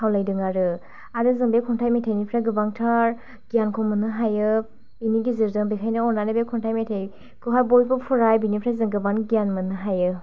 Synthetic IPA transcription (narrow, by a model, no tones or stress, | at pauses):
hawlajdɯŋaɾɯ | adɯzɯŋbekʰɔntʰajmetʰajnipʰɾaɡɯbaŋtʰaɾ | ɡijankʰɔmɯnɯɦajɯ | iniɡiziɾdɯŋbekʰajnɯɔnanɯbekʰɔntʰajmetʰaj | kʰɯɦajbojbɯpʰuɾajbinipʰɾazɯŋɡɯbanɡijanmɯnɯɦajɯ